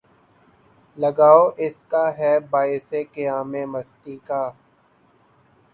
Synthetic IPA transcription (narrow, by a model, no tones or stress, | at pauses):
lɐɡaːoːʔɪskaːɦɛːbaːɪsekɪjaːmẽːməst̪iːkaː